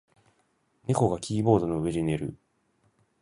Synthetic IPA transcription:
ne̞ko̞ɡakʲʰiːbo̞ːd̪o̞no̞ɯeʑine̞ɾɯ̟̰

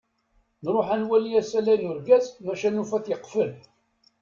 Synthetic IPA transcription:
nɾˤoħænwæliæsælæjnʊɾɡæsmæʃænufæθjəqːfəl

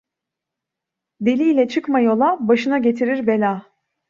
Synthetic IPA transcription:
d̪e̞lʲiːlʲɛt͡ʃʰɯkmajo̞lˠabaʃɯnaɟe̞t̪ʰiɾiɾbe̞lʲaː

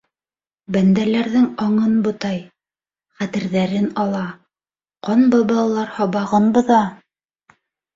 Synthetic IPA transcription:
bænd̪ælæɾðɘŋɑɴɤnbŏt̪ɑj | χæt̪ɘ̆ɾðæɾɘnɑlˠɑ | qɑnbɑbɑlˠɑlˠɑɾhɑβɑʁɤnbɤ̆ðɑ

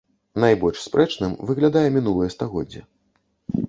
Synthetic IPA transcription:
najbɔlʲʂspɾʔɛt͡ʂnɨmvɨɣlʲad̪ajɛmʲinulˠɨjɛst̪aɣɔdd͡zʲːi

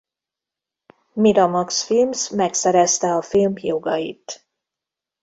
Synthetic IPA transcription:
mid̪ɒmɒksfilmsmɛksɛɾɛst̪ɛɒfilmjoɡɒjḭt̪

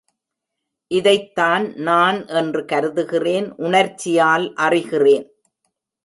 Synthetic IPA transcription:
ʔɪðɐɪt̪ːaːnnaːnʔɛndrɯkɐɾɯðɯɣɪreːnʔʊɳɐɾt͡ʃːɪjaːlʔɐrɪɣɪreːn

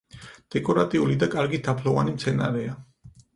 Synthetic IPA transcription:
d̪̥ɛkʼɔɾat̪ʼiulid̪akʼaɾɡid̪ʰapʰlɔvanimt̪sʰɛnaɾɛa

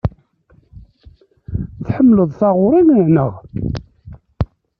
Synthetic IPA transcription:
θħəmːləðˤθɑʁʊɾˤinʕnəʁ

